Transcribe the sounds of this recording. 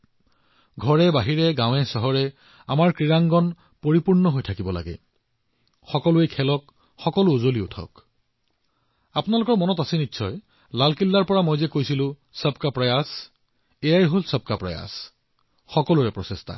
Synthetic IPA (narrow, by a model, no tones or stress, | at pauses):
ɡʱɔɹɛbaɦiɹɛɡãw̃ɛsɔɦɔɹɛ | a̰maɹkɹiɹaŋɡɔn | poɹipuɹnɔɦojtʰakibɔla̰ɡɛ̰ | xɔkɔlʊejkʰɛlɔk | xɔkɔlʊːzoliʊtʰɔ̰k | apnalʊkɔɹmɔnɔtasɛnitːsʰɔj | lalkilːaɹpɔɹamojzɛkojsilʊ̃ | səp̚kapɹajas | ɛjajɦolsəb̚kapɹa̰ja̰s | xɔkɔluɹɛpɹɔsestʰa̰